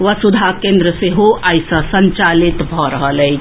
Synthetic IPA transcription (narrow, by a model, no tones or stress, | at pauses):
ʋəsud̪ʱakẽːnd̪ɾəseɦoajsəsəɲt͡ʃalit̪bʱɔɾəɦələi